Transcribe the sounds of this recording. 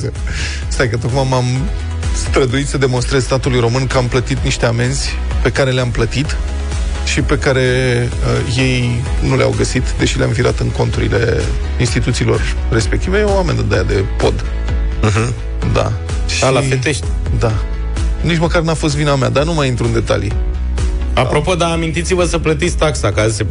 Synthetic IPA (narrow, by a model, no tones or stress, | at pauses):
e | st̪ajkət̪̬okmamam | st̪ɾəd̪uit̪səd̪e̞mo̞nst̪ɾe̞zst̪at̪ulujɾo̞mɨnkəamplət̪it̪niʃt̪e̞ame̞nzʲ | pe̞kaɾe̞leamplət̪it̪ | ʃipe̞kaɾe̞ | ə | je̞j | nulea̰wɡəsit̪d̪e̞ʃilea̰mviɾa̰t̪ɨŋko̞nt̪uɾḭle̞̰ | inst̪it̪ut̪siːlo̞̰r | re̞spe̞k̚t̪ivejeowame̞nd̪əd̪ejad̪e̞po̞̰d̪ | ɦ | d̪a̰ | ʃilafet̪eʃt̪ʲ | d̪a | nit͡ʃməkarnafo̞s̬t̪vinamead̪anumajint̪ɾuɨnd̪e̞t̪a̰lḭ | apɾo̞po̞d̪aːmint̪it̪sivəsəplət̪it̪sʲt̪aksakase